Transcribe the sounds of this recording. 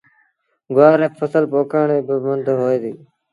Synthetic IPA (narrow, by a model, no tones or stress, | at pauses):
ɡʊaːɾeːpʰəsəlpoːkaːɳeːbɪmənd̪ʱɦoːeːd̪iː